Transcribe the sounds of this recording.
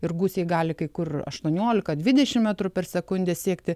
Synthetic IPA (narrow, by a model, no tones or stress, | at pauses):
ɪrɡuːsʲeɪɡɑːlʲɪkɐɪkʊrɐ̰ʃt̪uɔnʲuɔlʲɪkɐd̪ʲʋʲɪd̪ʲɛʃʲɪmmʲæt̪ɾʊpʲɛrsʲɛkʊnʲd̪ʲɛsʲiɛkt̪ʲɪ